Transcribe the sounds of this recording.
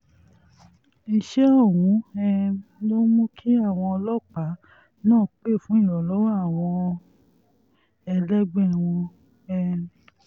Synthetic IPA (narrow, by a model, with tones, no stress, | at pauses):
i˧ʃɛ˦ɔ˦˨wũ˨˦ɛ˧lo˦mũ˦kʰi˦a˦˨w̃ɔ̃˧ɔ˧lɔ˦k͡pa˨˦ | nãː˦˨k͡pe˦˨fũ˨˦ĩ˦˨lɔ˨lɔ˨˦wa˦˨w̃ɔ̃˧ | ɛ˧lɛ˦ɡ͡bɛ̃˦˨w̃ɔ̃˧ | ɛ˧